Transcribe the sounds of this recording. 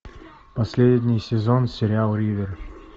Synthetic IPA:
pɐsʲlʲedʲnʲɪjsʲɪzonsʲɪɾʲɪalˠɾʲid̪ʲər

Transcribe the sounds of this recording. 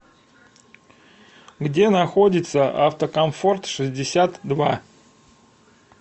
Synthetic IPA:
ɡdʲe̞nɐxo̞dʲɪt̪səʔa̰ft̪əkɐmfo̞rt̪ʂɨzʲdʲɪsʲat̪d̪va̰

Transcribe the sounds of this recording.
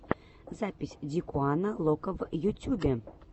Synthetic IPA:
zapʲisʲd̪ʲikuanalˠokəvjut̪ʲuɡʲɘ

